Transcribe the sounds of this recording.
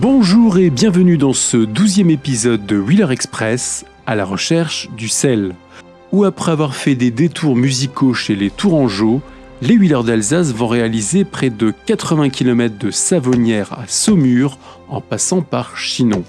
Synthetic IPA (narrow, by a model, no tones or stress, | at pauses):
bɔ̃ʒuʁebjɛ̃vənyd̪ɑ̃səd̪uzjɛmepizɔd̪ːəwilœʁɛkspχɛs | alaʁəʃɛʁʃd̪ysɛl | uapχɛavwaʁfɛd̪ed̪et̪ʰuʁmyzikoʃelet̪uʁɑ̃ʒo | lewilœʁd̪alzas̬vɔ̃ʁealizepχɛd̪əkat̪χəvɛ̃kʲilɔmɛt̪χd̪əsavɔnjɛʁa̰sɔmyʁ | ɑ̰̃pasɑ̃paʁʃino